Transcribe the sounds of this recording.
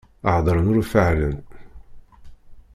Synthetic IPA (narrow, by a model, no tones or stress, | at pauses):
əʕd̪ˤɾˤənuɾfəʕlənt̪